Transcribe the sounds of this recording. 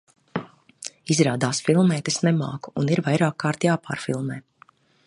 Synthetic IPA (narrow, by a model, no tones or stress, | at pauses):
izɾaːd̪aːsfilˠmɛːt̪ɛsnɛma̰ːku̥uniɾvajɾaːkːaːɾt̪jaːpa̰ːɾfḭlˠmɛː